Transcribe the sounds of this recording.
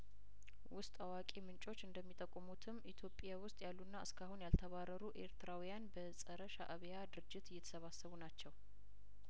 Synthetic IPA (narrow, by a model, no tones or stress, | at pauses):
wʊst̪ʼawakʼemɨnt͡ʃʼo̞t͡ʃːɨnd̪əmːit̪ʼəkʼːmut̪ʰɨmit̪ʰjo̞pʼːjawʊst̪ʼjalːunːaɨskʰahunjalt̪ʰəβarːəɾuʔe̞̰ɾt̪ɨɾawijanbəsʼəɾəʃaʔəβjad̪ɨɾɨd͡ʒːɪt̪ɨjːɛt̪ʰə̥səβasːəβunat͡ʃːɛw